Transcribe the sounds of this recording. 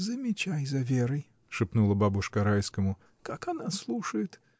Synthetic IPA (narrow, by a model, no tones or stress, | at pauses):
zəmʲɪt͡ɕajzɐvʲeɾəj | ʂɨpnulˠəbabʊʂkəɐɾajskəmʊ | kakɐnaslˠuʂəjɪt̪